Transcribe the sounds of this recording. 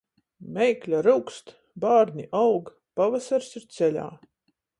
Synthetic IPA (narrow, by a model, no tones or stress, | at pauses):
mʲɛjklʲaɾuwkst̪ | baːɾnʲiʔawɡ | pavasaɾsiɾt̪sɛlʲa̰ː